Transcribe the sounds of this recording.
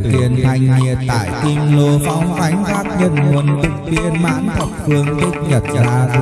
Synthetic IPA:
k̪i˧˩ənt̪ʰa˧˩jŋ̟ːi˨˩ət̪a̰ː˧˨jk̪i˧ŋlo˧fa˨˧wŋ͡mka˨˦jŋ̟kaː˦˥k̚ɲə˧˩nmu˨˧˩ənt̪ɨ˨˩k̚vḭ˧˥ənma̰ː˧˥nt̪ʰə˨˩k͡p̚fɨ˧əŋk̪i˦˥k̟̚ɲə˨˩t̚zaː˧

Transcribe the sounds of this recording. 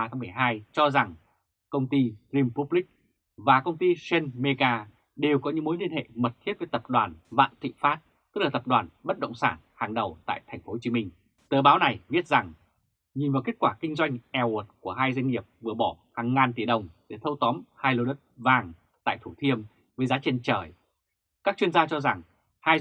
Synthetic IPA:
aː˧˩t̪ʰaː˨˧ŋ͡mmɨ˨˩əjɦaː˧jt͡ɕɔ˧za˨˩ŋ | kə˧wŋ͡mt̪i˧zi˧mpu˦˥p̚li˦˥k̚ | vaː˨˩kə˧wŋ͡mt̪i˧se˧nme˧ɣaː˧ | ɗe˨˩wkɔ˨˦ɲɨ̰˧˥ŋmo˨˦jli˧ənhḛ˧˨mə˨˩t̚t̪ʰi˦˥t̚vəː˨˦jt̪ə˨˩p̚ɗwaː˨˩nva̰ː˧˨nt̪ʰḭ˧˨faː˦˥t̚ | t̪ɨ˦˥k̚laː˨˩t̪ə˨˩p̚ɗwaː˨˩nɓə˦˥t̚ɗə̰˧˨wŋ͡msaː˧˩nhaː˨˩ŋɗə˨˩wt̪a̰ː˧˨jt̪ʰa˨˩jŋ̟fo˨˦t͡ɕi˨˦mï˧ŋ̟ | t̪əː˨˩ɓaː˨˦wna˨˩jɓi˦˥ət̚za˨˩ŋ | ɲi˨˩nvaː˨˩ke˦˥t̚kwaː˧˩kï˧ŋ̟zwa˧jŋ̟ʔɛ˧wo˨˩t̚ku˧˩əɦaː˧jza˧jŋ̟ŋːi˨˩əp̚vɨ˨˩əɓɔ˧˩haː˨˩ŋːaː˨˩nt̪i˧˩ɗə˨˩wŋ͡mɗe˧˩t̪ʰə˧wt̪ɔ˨˦mhaː˧jlo˧ɗə˦˥t̚vaː˨˩ŋ | t̪a̰ː˧˨jt̪ʰu˧˩t̪ʰi˧əm | vəː˨˦jzaː˨˦t͡ɕe˧nt͡ɕəː˧˩j | kaː˦˥k̚t͡ɕwi˧ənzaː˧t͡ɕɔ˧za˨˩ŋ | haː˧j

